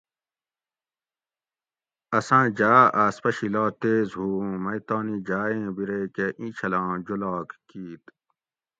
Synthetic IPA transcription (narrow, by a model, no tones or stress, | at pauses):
ɐsãːd͡ʑaːʔaːspɐɕilaːt̪eːzɦuːmɐjt̪ãːnid͡ʑaːẽːbiɾeːkeʔĩːt͡ɕʰɐlãːd͡ʑulaːkkiːt̪